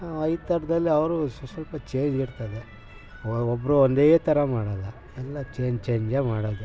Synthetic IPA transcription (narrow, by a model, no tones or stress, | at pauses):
ɐjt̪ɐɽɐd̪ɐlːiɐʋɐɾussɐlpɐt͡ʃe̞ːɲd͡ʒiɽt̪ɐd̪e | ɔbːɐɾuond̪eːt̪ɐɾɐmaːɽɐːlːɐ | ɛlːɐt͡ʃeːɲd͡ʒt͡ʃe̞ːɲd͡ʒemaːɽoːd̪u